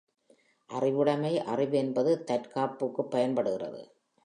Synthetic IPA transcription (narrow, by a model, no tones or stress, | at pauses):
ʔɐrɪʋɯɽɐmɐɪʔɐrɪʋɯɛnbɐðɯt̪ɐɾkaːpːɯkːɯpːɐjɐnpɐɽɯɣɪrɐ̰ðɯ̰